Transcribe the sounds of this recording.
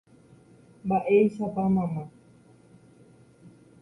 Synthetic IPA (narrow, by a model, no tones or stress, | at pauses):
mbaʔejsapamãmã